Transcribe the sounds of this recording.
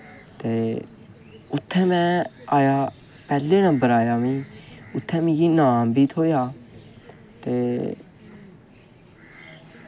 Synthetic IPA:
t̪eː | ʊt̪ʰːɛ̃ːmɛ̃ːaːjaː | pɛːlːeːnãːbəɾaːjaːmĩːʊt̪ʰːɛ̃ːmĩːɡiːnaːmbiːt̪ʰoːjaː | t̪eː

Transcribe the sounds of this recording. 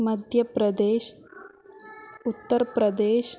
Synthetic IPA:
mɐd̪ʱjɐpɾɐd̪eːʃ | ut̪ːɐɾpɾɐd̪eːʃ

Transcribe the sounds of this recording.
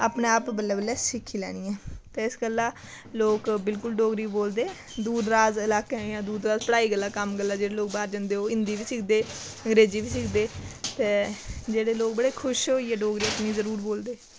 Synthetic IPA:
aːpneːaːpbəlːaːbəlːɛːsɪkʰːiːlɛ̰ːɽ̃iːɛ̃ːt̪eːɪsɡəlːãː | loːkbɪlkʊlɖoːɡɾiːboːld̪eː | d̪uːd̪ɾaːzɪlaːkẽãːd̪uːd̪ɾaːzpəɽaːiːɡəlːaːkəmɡəlːaːd͡ʒeːɽeːloːk̚baːɾd͡ʒə̃nd̪eːɦoːɪ̃nd̪iːʋiːsɪkʰd̪eː | əŋɡɾeːziːʋiːsɪkʰd̪eːt̪eːd͡ʒeːɽeːloːk̚bəɽeːkʰʊʃɦoːiːɛːɖoːɡɾiːəpniːzəɾuːɾboːld̪eː

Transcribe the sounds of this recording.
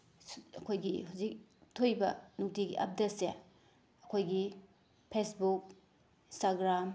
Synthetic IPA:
ɐkʰojɡiɦuzik̚tʰojbɐ̰nuk̚tiɡiʔa̰p̚detse | ɐkʰojɡi | pʰesbuk̚ | ĩnstaɡɾam

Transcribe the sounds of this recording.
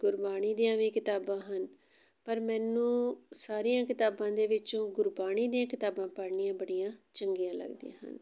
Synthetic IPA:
ɡʊɾbaːniːd̪ijãːʋiːkɪt̪aːbãːɦən | pəɾmɛːnũːsaːɾijãːkɪt̪aːbãːd̪eːʋɪt͡ʃõːɡʊɾbaːɽiːd̪ijãːkɪt̪aːbãːpəɾɳɪːjãːbəɽijãːt͡ʃəŋɡijãːlə̰ɡd̪ḭjã̰ːɦə̰n

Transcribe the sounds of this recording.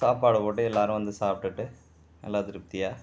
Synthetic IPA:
saːpːaːɽɐpoːʈ̬ːɯɛlːaːɾʊ̃ʋɐnd̪ɯsaːp̚ʈɯʈːɯ | ɐ̰lːaːt̪ɪɾɯp̚t̪ɪjaː

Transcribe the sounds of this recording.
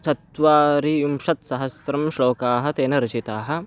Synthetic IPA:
sɐt̪ʋaːɾiumʂɐt̪sɐɦɐsɾɐmʃɭoːkaːɦɐ̆t̪eːnɐɾɐt͡ʃit̪aːɦɐ̆

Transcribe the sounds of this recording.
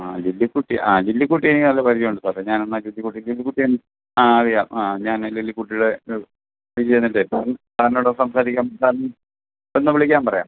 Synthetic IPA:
ad͡ʑilːikːuʈːiʔaːd͡ʑilːikːuʈːijenikʲːilnɐlːepɐɾit͡ɕːioɳɖɨsaeɲaːnonːɐd͡ʑilːikːuʈːid͡ʑilːikːuʈːijenː | aɐɻijaːmaɲaːnlilːikːuʈːiuɽe | ɐɾit͡ɕejnːiʈːetaːɐntaːɾɐnoɽesɐmsaːɾikʲːamsaːɾ | enːɐʋiɭikʲːaːmpɐrɐja̰ːm

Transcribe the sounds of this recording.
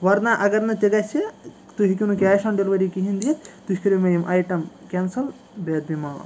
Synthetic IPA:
ʋɐɾnaʔɐɡɐɾnɐt̪eɡɐse | t̪uɦikʲinukʲaːjʃaɳɖilʋɐɾikiɦind̪ijet̪t̪uʃʲkɐɾimɐjimʔɐjʈɐmkʲɛnsɐl | beːd̪̚bimaː

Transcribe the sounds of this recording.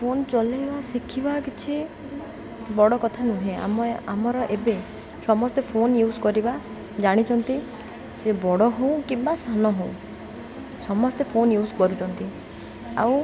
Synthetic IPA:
pʰont͡ʃɔlibasikʰibakit͡ʃʰi | bɔɽɔkɔt̪ʰanũɦẽa̰mamɔɾɔʔebe | sɔmɔst̪epʰonjuskɔɾiba | d͡ʒaɽ̃it͡ʃʰɔnt̪i | sebɔɽɔɦow̃kimbasanɔɦõw̃ | sɔmɔst̪epʰonjuskɔɾut͡ʃɔnt̪i | a̰w̃

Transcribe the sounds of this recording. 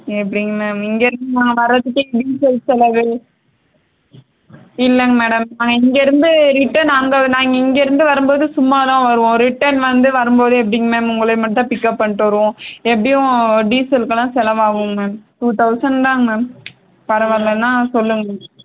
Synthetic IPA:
ɛp̬ːɐɽɪŋɡɐmeːɐmɪŋɡeɾɯnd̪ɯnãːŋɡɐʋɐɾːɐt̪ːɯkːɯɖiːsɛlsɛlɐʋɯ | ɪlːɐŋɡɐmeːɽɐmnaːŋɡɐɪŋɡeɾɯnd̪ɯɾɪʈːɐnaːŋɡɐnaːŋɡɐɪŋɡeɪɾɯnd̪ɯʋɐɾɯmboːðɯsʊmːaːðãːʋɐɾɯʋõɾɪʈːɐɾnʋɐnd̪ɯʋɐɾɯmboːðɯɛp̬ːɐɽɪŋɡɐmeːmʊŋɡɐɭɐmɐʈːt̪ːãːpɪkːɐpːɐɳːʈːʋɐɾɯʋõɛp̬ːɐɽɪjʊ̃ɖiːsɛlkːɐlãːsɛlɐʋaːɣʊ̃meːmʈuːt̪ɐʊsɐɳdãːmeːm | pɐɾɐʋɐɾlɐnːãːsɔlːɯŋɡɐmeːɽɐm

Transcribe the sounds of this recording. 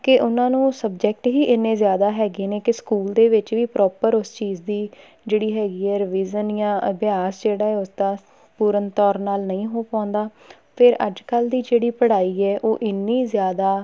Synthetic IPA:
kɪʔʊnãːnũːsəbd͡ʒɛk̚ʈɦiːʔɪnːẽːzjaːd̪aːɦɛːɡeːneːkɪskuːld̪eːʋɪt͡ʃʋiːpɾʔɔːpəɾʊst͡ʃiːzd̪iː | d͡ʒeːɽiːɦɛːɡiːɛːɾɪʋiːzənjãːʔəbjaːsd͡ʒeːɽaːɛːʊsd̪ãː | puːɾənt̪ɔːɾnaːlnəĩːɦoːpãːnd̪aː | pʰɪɾə̰d͡ʒkəld̪iːd͡ʒeːɽiːpəɽaːiːɛːʔoːʔɪnːiːzjaːd̪aː

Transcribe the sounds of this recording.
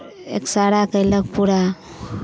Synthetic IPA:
ḛksaɽakajlak̚puɽa

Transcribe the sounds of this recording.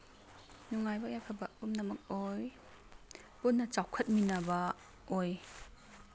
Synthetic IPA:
nuŋajbɐjajpʰɐbɐpumnɐmɐk̚oj | punːɐt͡ʃawkʰɐt̚minabɐ | oj

